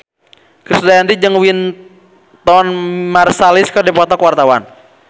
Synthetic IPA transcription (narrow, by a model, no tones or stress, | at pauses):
kɾisdajandid͡ʒɨŋwin | t̪ɔnmarsalɪskɔdɛpɔt̪ɔkwart̪awa̰n